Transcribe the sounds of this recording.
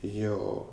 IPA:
ˈjoː

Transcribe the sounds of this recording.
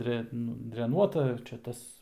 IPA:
ˈdʲrʲɛ ˈnʊ dʲrʲɛˈnuɔtɐ ˈt͡ʃʲɛ ˈtɐs

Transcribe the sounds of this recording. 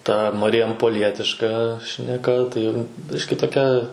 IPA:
ˈtɐ mɐrʲɪjɛmpoːˈlʲiɛtʲɪʃkɐ ʃʲnʲɛˈkɐ tɐɪ ˈbʲɪʃʲkʲɪ toːˈkʲɛ

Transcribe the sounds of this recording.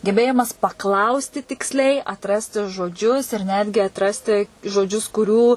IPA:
ɡʲɛˈbʲeːjɪmɐs pɐˈklˠɐʊsʲtʲɪ tʲɪksʲˈlʲɛɪ ɐtˈrɑːsʲtʲɪ ʒoːˈd͡ʒʲʊs ɪr ˈnʲæːdʲɡʲɪ ɐtˈrɑːsʲtʲɪ ʒoːˈd͡ʒʲʊs kʊˈrʲuː

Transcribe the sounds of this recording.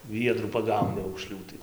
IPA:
ˈʋʲiɛdruː pɐˈɡɐʊnʲɪ ɐʊkˈʃʲlʲuː tɐɪ

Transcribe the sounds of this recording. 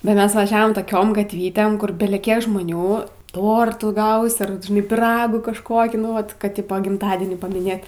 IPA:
bʲɛt ˈmʲɛs ʋɐˈʒʲæːʋoːm toːˈkʲoːm ɡɐtʲˈʋʲiːtʲeːm ˈkʊr bʲɛlʲɛˈkʲiɛk ʒmoːˈnʲuː ˈtoːrtuː ˈɡɐʊsʲɪ ɐr ʋɐt ʒʲɪˈnɐɪ pʲiːˈrɑːɡuː kɐʃˈkoːkʲiː nʊ ˈʋɐt kɐt ˈtʲɪpoː ɡʲɪmˈtɑːdʲiɛnʲiː pɐmʲɪˈnʲeːt

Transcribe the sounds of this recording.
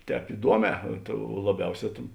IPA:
ˈtʲɛːp ɪˈduɔˌmʲɛː lˠɐˈbʲɛʊˌsʲɛː tʲeːn

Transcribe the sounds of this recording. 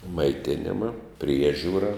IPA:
mɐɪˈtʲɪnʲɪmɐ ˈpʲrʲiɛʒʲuːrɐ

